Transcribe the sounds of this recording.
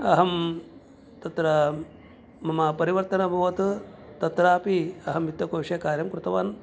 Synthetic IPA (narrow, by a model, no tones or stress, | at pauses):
ɐɦɐm | t̪ɐt̪ɾɐ | mɐmɐpɐɾiʋɐɾt̪ɐnɐbʱɐʋɐt̪t̪ɐt̪ɾaːpiɐɦɐmit̪jɐkoːʂeːkaːɾjɐmkɾut̪ɐʋaːn